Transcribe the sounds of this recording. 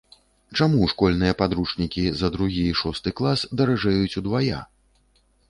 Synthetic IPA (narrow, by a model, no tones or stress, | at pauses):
t͡ʂamuʂkɔlʲnɨjɐpad̪ɾut͡ʂnʲikʲizɐd̪ɾuɣʲiʂɔst̪ɨklˠasd̪ɐɾaʐɛjut͡sʲud̪vaja̰